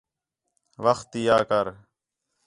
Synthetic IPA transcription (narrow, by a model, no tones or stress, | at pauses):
ʋəxt̪ijaːkəɾ